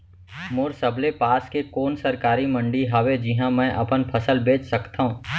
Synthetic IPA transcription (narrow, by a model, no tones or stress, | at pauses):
mʊɾsɐblepaːskekoːnsɐɾkaːɾimɐ̃ɳɖiɦɐwed͡ʒɪɦãmɛ̃ːʔɐpənpʰɐsəlbeːt͡ʃsɐkt̪aɦũː